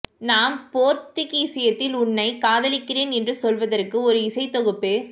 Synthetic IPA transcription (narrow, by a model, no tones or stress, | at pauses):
naːnpoːɾt̪ɪkisɐjɐt̪ːɪlʊɳːɐɪkaːðɐlɪkːɪreːnɛndrɯsɔlʋɐðɐrkɯɔɾɯɪsɐɪt̪ɔɣɯpːeː